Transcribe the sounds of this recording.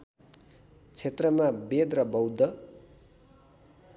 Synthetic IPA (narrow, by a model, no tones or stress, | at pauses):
t͡sʰet̪rʌmabed̪rʌbʌwd̪ʌ